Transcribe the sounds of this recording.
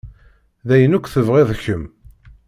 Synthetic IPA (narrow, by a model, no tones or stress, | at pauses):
ðæjənukʷːθəvʁeðˤçəm